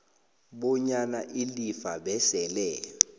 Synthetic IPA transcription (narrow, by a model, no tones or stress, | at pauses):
ɓɔɲanaʔilifaɓɛsɛlɛ